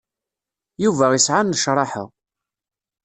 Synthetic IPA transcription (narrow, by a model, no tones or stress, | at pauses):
juvæisʕanːəʃɾˤɑħə̰ʁ